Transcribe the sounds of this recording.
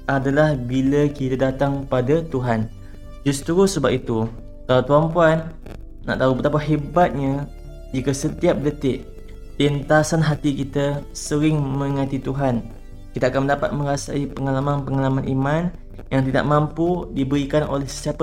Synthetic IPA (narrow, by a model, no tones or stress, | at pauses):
ʔadalahbilakit̪adat̪aŋpadat̪uɦan | d͡ʒʊst̪ɾusəbapit̪u | kalawt̪uampuanː | a̰ʔt̪aupət̪apaɦebat̪̚ɲa | d͡ʒikəsət̪iap̚dət̪ɪʔ | pint̪asanɦat̪ikit̪asəɾɪŋmə̃ŋãt̪it̪uɦan | kit̪aːkanməndapa̰t̪̚mə̃ɾasaipəŋalamãnpəŋalamãnʔḭmãn | jaŋt̪ida̰ʔ̚mãmpudibəɾikano̰lɛhsə̥siapə